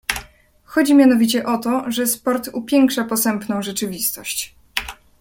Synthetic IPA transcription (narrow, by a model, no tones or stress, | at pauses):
xɔd͡ʑimʲjanɔvʲit͡ɕɛʔɔt̪ɔʐɛspɔɾt̪upʲjɛŋkʂapɔsɛmpnɔ̃w̃ʐɛt͡ʂɘvʲist̪ɔɕt͡ɕ